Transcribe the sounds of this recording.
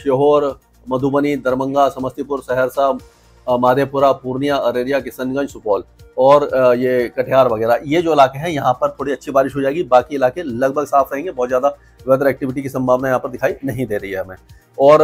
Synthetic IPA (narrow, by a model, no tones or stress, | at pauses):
ʃoɦoːɾ | mɐd̪ʱubənid̪ɐɾmə̃ŋɡasɐməst̪ʰipʊɾsɛɦɛɾsaː | maːd̪ʱepʊɾapuːɾnijaɐɾeːɾijakɪsənɡə̃ɲd͡ʒsʊpɔːlɔːɾjekɐʈʰjaːɾʋɐɡɛːɾajed͡ʒoːɪlaːkeɦɛ̃jɐɦãpɐɾt̪ʰoːɽiɐtːʃʰibaːɾɪʃɦod͡ʒaːeːɡibaːkiɪlaːkelɐɡ̚bʱəɡsaːfʰɾɐɦẽːŋɡebɔːt̪zjaːd̪a | ʋɛːd̪əɾɛːk̚ʈɪʋɪʈ̬ikisɐ̃mbʱaːʋnajɐɦãpɐɾd̪ɪkʰaːinɐɦĩd̪eːɾɐɦiɦɛmɛ̃ː | ɔːɾ